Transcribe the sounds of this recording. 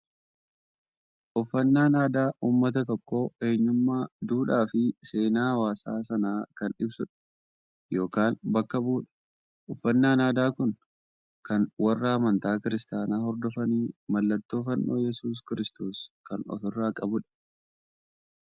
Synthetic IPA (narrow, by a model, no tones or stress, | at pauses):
ʔɔfːɐnːaːnaːd̪aːʔuːmːɐt̪ɐt̪ɔkːoe̞ːɲːʊmːaːd̪uːᶑaːfɪse̞ːnaːhɐwaːsaːsɐnaːkɐnɪbsʊᶑɐ̥ | jo̞ːkaːnbɐkːɐbuːᶑɐ̥ | ʔɔfːɐnːaːnaːd̪aːkʊn | kɐnwɐrːɐhɐmɐnt̪aːkɪɾɪst̪aːnaːhɔɾd̪ɔfɐniːmɐlːɐt̪ːo̞ːfɐnːʔo̞̰ːjɛsuːs̬kɪɾɪst̪oːskɐnɔ̰fɪrːaːkʼɐbʊᶑɐ̥